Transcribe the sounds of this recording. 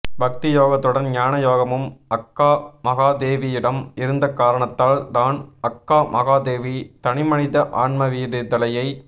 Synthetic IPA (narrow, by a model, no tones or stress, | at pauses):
bɐk̚t̪ɪjoːɣɐt̪ːɯɽɐnɲjaːnɐjoːɣɐmɯmɐkːaːmɐɣaːd̪eːʋijɪɽɐmɪɾɯnd̪ɐkaːɾɐɳɐt̪ːaːlt̪aːnɐkːaːmʔɐɣaːd̪eːʋit̪ɐɳɪmɐɳɪðɐʔaːɳmɐʋiːɽɪðɐlɐjɐɪ